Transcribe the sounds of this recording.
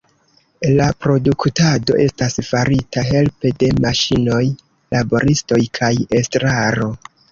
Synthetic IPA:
lapɾo̞duktado̞̰ʔe̞stasfaɾitaɦe̞lpe̞de̞maʃino̞j | labo̞ɾisto̞jkʰaje̞stɾaɾo̞

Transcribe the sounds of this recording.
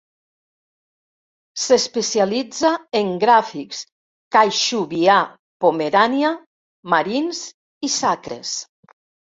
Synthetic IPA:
sespesialid͡zaeŋɡɾafiks | kajʃuβia | pomeɾanja | maɾins | isakɾḛs

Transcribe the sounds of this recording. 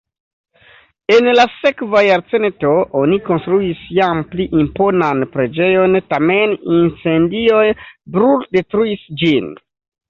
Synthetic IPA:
e̞nlase̞kvajaɾt͡sento̞ʔoniko̞nstɾuisjampliʔimpo̞nanpɾe̞d͡ʒe̞jo̞ntame̞nint͡se̞ndio̞jbɾuldetɾuisd͡ʒin

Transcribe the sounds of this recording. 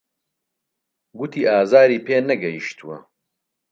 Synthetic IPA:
ɡut̪ʰiːʔaːzaːɾiːpʰeːnɐɡɐjiʃt̪uwɐ̰

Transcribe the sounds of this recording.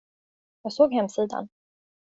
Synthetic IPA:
jɑːɡsoːɡhɛmsiːd̪a̰n

